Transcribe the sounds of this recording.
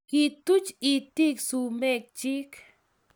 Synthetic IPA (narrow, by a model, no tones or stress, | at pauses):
kit̪ut͡ʃit̪iksumek̚t͡ʃik